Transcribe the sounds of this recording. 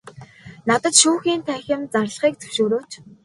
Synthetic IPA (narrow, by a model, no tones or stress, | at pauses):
nat̪ə̆t̪ʃuːxiːnt̪ʰæːxʲɪ̆mt͡sarɮ̆χiːk̚t͡sʰɵ̥wʃoːɾoːt͡ɕ